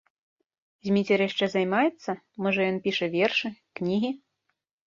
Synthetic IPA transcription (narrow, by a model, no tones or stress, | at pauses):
zʲmʲit͡sʲɛrjaʂt͡ʂɛzajmajɛt̪sːɐ | mɔʐɐjɔnpʲiʂɐvʲɛrʂɨknʲiɣʲi